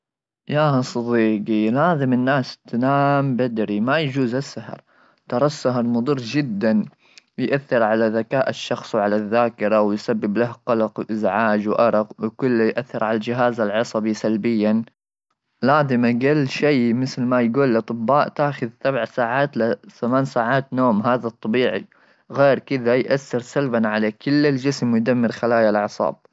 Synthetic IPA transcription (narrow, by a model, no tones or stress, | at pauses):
jaːsˤɑd̪ˤiːqilhaːðamɪnːaːst̪naːmbad̪ɾimajad͡ʒuːzasːahɑ̰ɾˤ | t̪ɑɾˤɑsːaɦɑɾˤmʊd̪ˤɨrːd͡ʒɪd̪ːan | jʔaθːɪɾʕalaðakaːʔɪʃːɑxsˤwʕalaðːaːkɪɾawjsabːɪblahqɑlɑqwʔɪzʕaːd͡ʒwʔɑɾˤɑqwkʊlːajʔaθːɪɾʕalald͡ʒɪɦaːzalʕɑsˤɑbisalbɪjːan | laːd̪ɪmaɡalːʃiːmɪθlmajɡuːlːʔɑt̪ˤɨbːaːʔt̪aːxʊðsabʕsaːʕaːt̪lɪθamaːnsaːʕaːt̪noːmɦaːðat̪ˤːɑbiːʕi | ɣeːɾkɪðajʔaθːɪɾsalbanʕalakʊlːɪld͡ʒɪsmwjd̪amːɪɾxalaːjalʕɑsˤɑ̰ːb̥̚